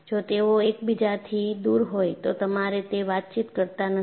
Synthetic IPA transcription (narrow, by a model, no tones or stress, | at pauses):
d͡ʒot̪eoekbid͡ʒat̪ʰid̪uɾɦojt̪ot̪əmaɾet̪eʋat̪̚t͡ʃit̪kəɾt̪anə